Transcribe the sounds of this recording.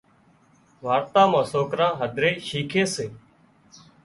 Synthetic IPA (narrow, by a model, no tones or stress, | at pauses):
ʋaːɾt̪ãːmãːsoːkɾãːɦəd̪ʱɾeːʃiːkʰeːseː